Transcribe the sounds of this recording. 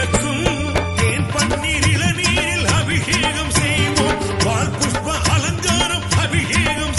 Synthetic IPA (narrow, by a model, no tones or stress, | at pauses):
ɐkːɯm | t̪eːnpɐɳːiːɾɪlɐniːɾɪlɐbʱɪɣeːɣɐmsɛjʋoː | ʋaːɭkuʈʋɐʔɐlɐŋɡaːɾɐmɐbʱɪɣeːɣɐm